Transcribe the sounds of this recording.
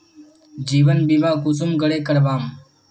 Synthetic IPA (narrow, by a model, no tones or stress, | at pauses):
d͡ʒiːʋənbiːmãːkuːsumɡəɽeːkəɽbaːm